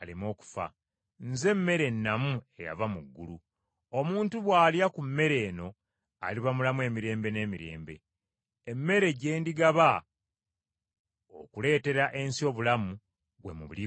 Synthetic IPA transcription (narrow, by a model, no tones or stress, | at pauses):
alimo̞ːku̥fa̰ | nze̞mːe̞ɾe̞nːamue̞ja̰vamuɡːulu | omuːntuβwaːljakumːe̞ɾe̞ːno̞ | a̰liβamulamue̞ːmiɾe̞ːmbe̞ne̞ːmiɾe̞̰ːmbe̞̰ː | mːe̞ɾe̞ɟe̞ːndiɡaβa | o̰kule̞ːte̞ɾaʔe̞nsio̞ːβulamu | βwe̞̰muβuli